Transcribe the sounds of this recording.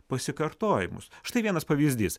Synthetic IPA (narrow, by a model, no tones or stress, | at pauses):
pɐsʲɪkɐɾt̪oːjɪmʊ̰sʃt̪ɐɪʋiɛnɐspɐʋʲiːzʲd̪ʲiːs